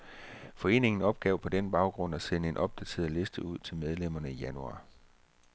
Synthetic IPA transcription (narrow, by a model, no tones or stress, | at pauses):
fɒ̽e̝̰ːne̝ŋn̩ɒ̽b̥̚ɡ̥ɛʊpʰɒ̽d̥enb̥ɑ̈ʊɡ̥ʁɔ̽n̰æsenəe̝nʔɒ̽b̥̚d̥æt͡sʰe̝̰ːɐðˠle̝sd̥əuð̞̰ˠt͡sʰe̝lmeð̞ˠlem̰ɐnəijænuɑ̰̈ː